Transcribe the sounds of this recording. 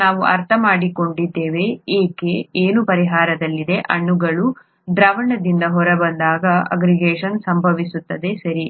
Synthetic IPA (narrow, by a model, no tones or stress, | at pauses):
aːʋuʔɐɾt̪ʰɐmaːɽiko̞ɳɖid̪ːeːʋe̞eːkeeːnupɐɾiɦaːɾɐd̪ɐlːid̪e̞ʔɐɳːuɡɐɭu | d̪ɾɐːʋɐɳɐd̪ind̪ɐɦɔɾɐbɐnd̪aːɡɐɐ̰ɡɾiɡeːʂɐnsɐmbʱɐʋisut̪ːɐd̪e̞sɐɾi